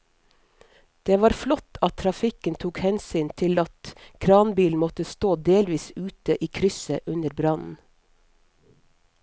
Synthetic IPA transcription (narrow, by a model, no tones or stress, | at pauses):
d̪̥eːʋɑːɾflɔt̪ʰɑt̪ʰɾɑfɪkənt̪ʰuːkhɛnsyːnt̪ʰɪlɑt̪kʰɾɑːnbiːln̩mɔt̪əst̪oːd̪eːlʋiːsʉːt̪əʔiːkʰɾʏsəʔʉnəɾbɾɑnn̩